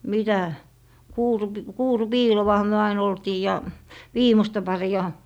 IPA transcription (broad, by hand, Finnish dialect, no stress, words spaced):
mitæ kuːrup kuːrupiːlowɑhɑ myø ɑin oltiː jɑ ʋiːmostɑ pɑriɑ